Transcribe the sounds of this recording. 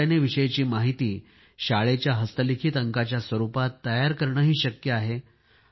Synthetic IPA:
aneʋiɕəjt͡ɕiːmaɦit̪iː | ɕaɭet͡ɕjaɦəst̪əlikʰiːt̪əŋkat͡ɕjasʋəɾupat̪ːəjaɾkəɾɳəːɦiːɕəkjəaɦe

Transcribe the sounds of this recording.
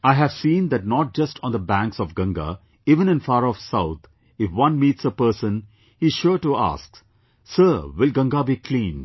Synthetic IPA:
aɪɦæʋ̥sĩːnd̪æʈ̚nɔʈ̚d͡ʒʌstʰɔ̃nd̪əbæ̃ŋksɔvɡʌ̃ŋɡa̰ | iːʋə̃nɨ̃nfaːɾɔfsaʊt̪̚ʰ | ɪfwʌ̃nmiːtsəpəːsə̃n | hi̥ʃʊʈua̰ːsks | səʋɪlɡʌ̃ŋɡabiːkʰlĩːn

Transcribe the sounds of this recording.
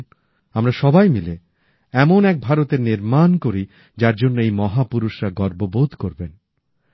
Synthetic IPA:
amɾaʃɔbajmile | ɛmonɛk̚bʱaɾot̪eɾniɾmankoɾi | d͡ʑaɾd͡ʑonːoejmɔɦapuɾuʃɾaɡɔɾbobod̪ʱkoɾben

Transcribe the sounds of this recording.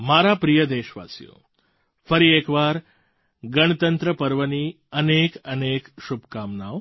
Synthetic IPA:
maɾapɾijəd̪eʃʋa̰sjo̰ | fəɾiekʋaɾ | ɡəɳ̃ət̪ənt̪ɾəpəɾʋəni | ənekənekʃubkamnaʋ

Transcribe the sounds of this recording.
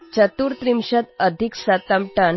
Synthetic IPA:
t͡ɕət̪uːɾt̪ɾimɕət̪əd̪ʱiksat̪amʈan

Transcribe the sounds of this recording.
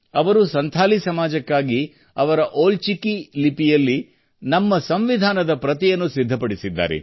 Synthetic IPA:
ɐʋɐɾusɐnt̪ʰaːlisɐmaːd͡ʒɐkːaːɡi | ɐʋɐɾɐʔoːlt͡ʃikilipijɐlːi | nɐmːɐsɐmʋid̪ʱaːnɐd̪ɐpɾɐt̪ijɐnːusid̪ʱːɐpɐɽisid̪ːa̰ːɾḛ

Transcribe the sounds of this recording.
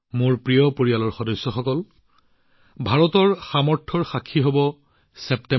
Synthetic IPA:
moɹpɹijɔpoɹialɔɹxɔdɔsːɔxɔkɔl | bʱaɹɔtɔɹxamɔɹtʰɔɹxakʰːiɦobɔ | sɛptɛ

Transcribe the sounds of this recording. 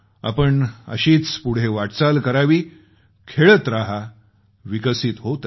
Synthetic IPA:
a̰pəɳə̰ɕiːt͡spuɽ̤eʋaʈt͡salkəɾaʋiː | kʰeɭət̪ɾaɦa | ʋikəsit̪ɦot̪

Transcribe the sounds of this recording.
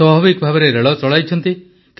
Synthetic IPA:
ɔbʱabikɔbʱabɔɾeɾeɭɔt͡ʃɔɭajt͡ʃʰɔnt̪i | k

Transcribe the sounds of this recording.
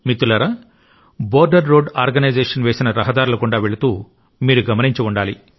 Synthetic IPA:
mit̪ːulɐɾɐ | boːɾɖɐɾːoːɖaːɾɡɐnɐjd͡ʒeːʂɐnʋeːsinɐɾɐɦɐd̪aːɾulɐkuɳɖaːʋe̞ɭut̪uː | miːɾuɡɐmɐniɲt͡ʃɐuɳɖaːli

